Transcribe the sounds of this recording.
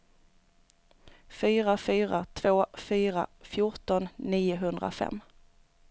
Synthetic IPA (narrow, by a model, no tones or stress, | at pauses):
fyːɾafyːɾat̪ʰv̥oːfyːɾa̰fjʊʈɔnːiːʊɦɵnd̪ɾa̰fɛ̰mː